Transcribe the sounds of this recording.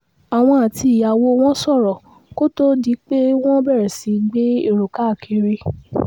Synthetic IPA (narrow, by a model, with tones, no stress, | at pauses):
a˨w̃ɔ̃˧a˨ti˧i˨ja˨wo˧w̃ɔ̃˦sɔ˦˨ɾɔ˨ | ko˦to˦di˨˦k͡pe˦w̃ɔ̃˦bɛ˦˨ɾɛ˨si˨˦ɡ͡be˦ḛ˦˨ɾo˨ka˨˦˨kʰi˨˧˦ɾe˧